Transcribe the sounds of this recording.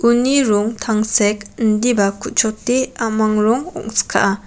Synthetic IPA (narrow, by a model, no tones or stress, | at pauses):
uniɾɔŋtʰaŋsek̚ndibakʰut̚t͡ʃʰɔtːeamaŋɾɔŋɔ̰ŋskʰa̰ʔa